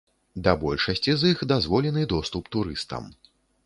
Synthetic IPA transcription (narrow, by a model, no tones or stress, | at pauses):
d̪ɐbɔlʲʂɐsʲt͡sʲizixd̪azvɔlʲɛnɨd̪ɔst̪upt̪uɾɨst̪ɐ̰m